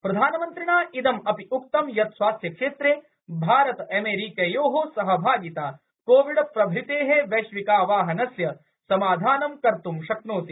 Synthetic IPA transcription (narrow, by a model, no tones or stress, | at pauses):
pɾɐd̪ʱaːnɐmɐnt̪ɾiɳaːʔid̪ɐmɐpiʔuk̚t̪ɐmjɐt̪swaːsjɐkʂeːt̪ɾeː | bʱaːɾɐt̪ɐmeːɾiːkejoːɦoːsɐɦɐbʱaːɡit̪aː | koːʋiɖpɾɐbʱit̪eːɦeʋeʃʋikaːʋaːɦɐnɐsjɐ | sɐmaːd̪ʱaːnɐmkɐɾt̪umʃɐknoːt̪i